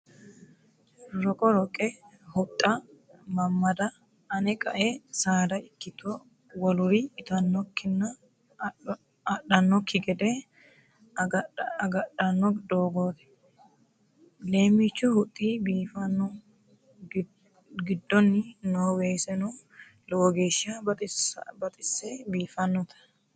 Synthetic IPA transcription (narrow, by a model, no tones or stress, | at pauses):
ɾɔkʼɔɾɔkʼɛhʊt̪ʼːɐmɐmːɐd̪ɐ | ɐnɛkʼɐʔɛsaːd̪ɐɪkːɪt̪ɔ | wɐlʊɾɪːt̪ɐnːɔkːɪnːɐ | ɐɗɐnːɔkːɪɡɛd̪ɛ | ɐɡɐɗɐnːɔd̪oːɡoːt̪ɛ̥ | le̞ːmit͡ʃːʊhʊt̪ʼːiːbiːfɐnːɔ | ɡɪd̪ːɔnːɪnoːweːsɛnɔ | loːɡeːʃasbɐt̪ʼɪsːɛbiːfɐnːɔt̪ʰɐ̥